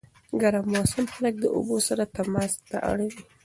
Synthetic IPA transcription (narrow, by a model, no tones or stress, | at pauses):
ɡaɾamosɪmxalak̚d̪əʔo̰bosaɾat̪amɑst̪a̰ʔa̰ɽawi